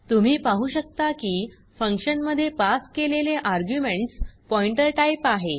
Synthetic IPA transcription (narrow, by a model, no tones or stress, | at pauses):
t̪um̤iːpaɦuːɕək̚t̪akiː | fəŋkɕənməd̪ʱːjepaskeleleʔaɾɡjumeɳʈspɔiɳʈəɾʈaipaɦe